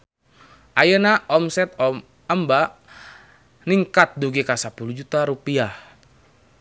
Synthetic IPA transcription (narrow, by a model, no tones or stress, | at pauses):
ʔajənaʔɔmsɛt̪̚ɔ | əmba | niŋkat̪̚duɡikasapulud͡ʒut̪aɾupiah